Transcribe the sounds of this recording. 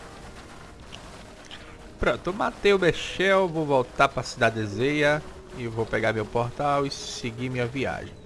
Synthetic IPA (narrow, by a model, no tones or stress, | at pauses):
pɾõnt̪ʊmat̪ewbeʃɛwvowvowt̪aɾpɾɐsid̪ad̪ezejɐ | ɪvowpɛɡaɾmewpoɾt̪awɪseɡimĩɲɐvia̰ʒẽj̃